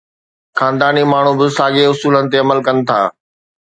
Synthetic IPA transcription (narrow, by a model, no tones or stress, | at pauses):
xaːnd̪aːnimaːɳ̤ubɪsaːɠeʊsuːlənɪ̆t̪eɐməlkɐnɪ̆t̪ʰa̰ː